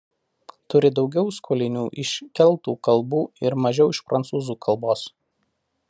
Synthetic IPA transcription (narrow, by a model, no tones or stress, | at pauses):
t̪ʊɾʲɪd̪ɒʊɡʲɛʊskʰoːlʲɪnʲuːʔɪʃʲkʲɛlˠˑt̪uːkɐlˠbuːɪɾmɐʒʲɛʊɪʃpɾɐnt̪suːzuːkʰɐlˠboːs